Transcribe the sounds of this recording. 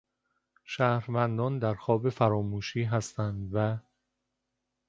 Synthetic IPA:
ʃæːhɾvænd̪ɒːnd̪æɾxɒːbe̞fæɾɒːmuːʃiːɦæst̪ænd̪væ

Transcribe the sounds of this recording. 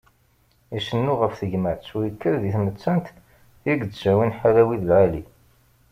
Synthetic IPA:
iʃənːuʁəfθəʝməʕsujəkʰːəɾðiθmət͡sːænt̪ | iɡt͡sd͡ʒæwinħalæwiðlʕali

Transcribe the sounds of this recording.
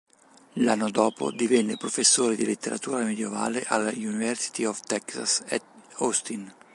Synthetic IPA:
lanːod̪ɔːpo̰d̪ivɛnːepɾofesːoːɾed̪ilet̪ːeɾa̰t̪uːɾamed̪jeva̰ːleʔalaunivɛɾsi̥t̪iɔft̪ɛksa̰sɛost̪in

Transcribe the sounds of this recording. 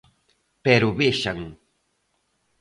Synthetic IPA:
peɾʊbɪʃaŋ

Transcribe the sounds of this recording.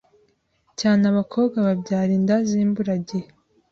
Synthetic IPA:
caːnaβakʰo̞ːbɡaβabɟaːɾiːndaziːmbuɾaɟe

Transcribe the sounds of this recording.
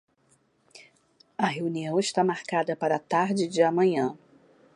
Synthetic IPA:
ɐɦeuniɐ̃w̃ɪʃt̪amaɾkad̪ɐpaɾɐt̪aɾd͡ʒɪd͡ʒɪɐmɐ̃ɲɐ̃

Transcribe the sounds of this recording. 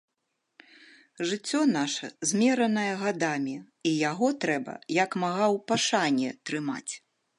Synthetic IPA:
ʐɨt͡sʲːɔnaʂɐ̰zʲmʲɛɾɐnɐjɐɣad̪amʲi | ijaɣɔt̪ɾɛbɐ̰jakmaɣawpaʂanʲɛt̪ɾɨma̰t͡sʲ

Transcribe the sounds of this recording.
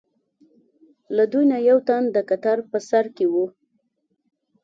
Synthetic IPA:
lad̪ujnajawt̪and̪əkat̪aɾpəsaɾkewu

